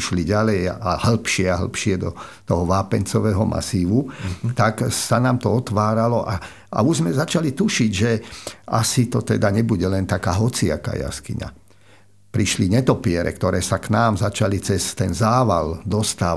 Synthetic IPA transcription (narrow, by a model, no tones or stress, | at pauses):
ʃliɟalɛjahl̩pʃɪɛaɦl̩pʃɪɛd̪ɔt̪ɔɦɔʋaːpɛnt͡sɔʋɛːɦɔmʔa̰siːʋut̪aksanaːmt̪ɔɔt̪ʋaːɾalɔʔa | a̰uʒzmɛzat͡ʃalit̪uʃiɟʒɛasit̪ɔt̪ɛd̪aɲɛbuɟɛlɛnt̪akaːɦɔt͡sia̰ka̰ja̰skiɲa̰ | pɾiʃliɲɛt̪ɔpɪɛɾɛ̰kt̪ɔɾɛːsaknaːmzat͡ʃalit͡sɛst̪ɛnzaːʋa̰ld̪ɔst̪aː